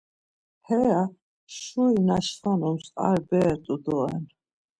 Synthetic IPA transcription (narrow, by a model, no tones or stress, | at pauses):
hɛa | ʃuinaʃχɔnumsa̰ɾbɛɾt̪ʼud̪ɔɛn